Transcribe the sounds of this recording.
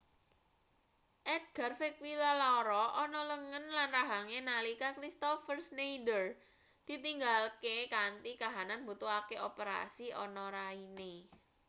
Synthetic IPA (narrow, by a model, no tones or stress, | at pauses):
ʔɛt̪̚ɡ̥a̤rfek̚wilalaɾɔʔɔnɔləŋənlanraɦaŋenalikakɾist̪ɔfərsnejdər | d̪̥i̤t̪iŋɡalkekant̪ikaɦananbut̪uakeopəɾa̰siɔ̰nɔɾaine